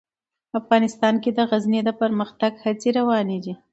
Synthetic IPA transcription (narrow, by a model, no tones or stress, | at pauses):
afɣɑnɪst̪ɑnked̪əɣazned̪əpəɾməxt̪aɡhat͡seɾawɑned̪i